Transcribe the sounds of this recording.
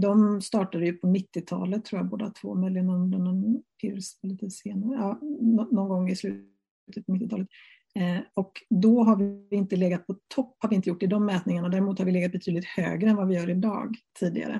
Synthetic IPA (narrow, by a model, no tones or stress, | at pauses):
d̪ɔmst̪ɑːʈad̪əjɵpʰɔnɪt̪ːɪt̪ʰɑ̰ːlət̪ʰːɾuːjaboːd̪a̰t̪ʰvo̰ːmœʏlɪɡənːɔɔmlɛnɛnpʰɪɾsliːt̪əseːnaɾəɑːnɔnɔnɡɔŋːɪslʉ̟ | t̪ət̪̚pʰɔmɪt̪ːɪt̪ʰɑːlət̪ | ɔkd̪ɔɦaɾvɪɪnt̪əleːɡat̪̚pʰɔt̪ʰɔpːhaɾvɪɪnt̪əjʊʈːɪd̪ɔmːɛːt̪nɪŋaɳad̪æːɾmuːt̪haɾvɪleːɡat̪̚bɛt̪ʰyːd̪lɪt̪hø̰ːɡɾəɛnvavɪjœːɾɪd̪ɑ̰ːɡt̪ʰiːd̪ɪ̰ɡa̰ɾə̰